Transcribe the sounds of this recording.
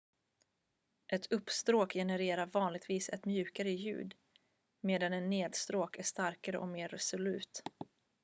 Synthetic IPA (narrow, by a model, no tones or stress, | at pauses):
ʔɛt̪ʰɵpːst̪ɾoːkjɛnəɾeːɾaɾvɑːnlɪɡ̚t̪viːsɛ̰t̪mjʉ̟ːkaɾəjʉ̟̰ːd̪ | meːd̪anɛnːeːd̪st̪ɾoːkæʂt̪aɾkaɾə̰ʔɔ̰meːɾɛsʊlʉ̟ːt̪